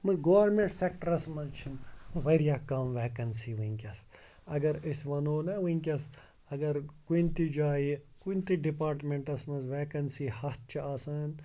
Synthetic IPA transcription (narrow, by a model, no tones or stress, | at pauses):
mɨɡoːʋɐɾmẽɳʈsek̚ʈɐɾɐsmɐnt͡ʃʰinmɨʋɐɾjaːkɐmʋeːkɐnsiːʋɨŋʲkʲɐs | ɐɡɐɾisʋɐnoːnɐʋiŋkʲɐs | ɐɡɐɾkuint̪id͡ʒaːikunt̪iɖipaːɾʈmẽɳʈɐsmɐzʋeːkɐnsiːhɐt̪̚t͡ʃʰiaːsaːn